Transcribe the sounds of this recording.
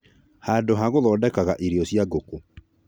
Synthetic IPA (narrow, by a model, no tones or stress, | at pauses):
haːndoɦaɣoðɔːdɛkaɣaʔiɾiɔsjaɡoko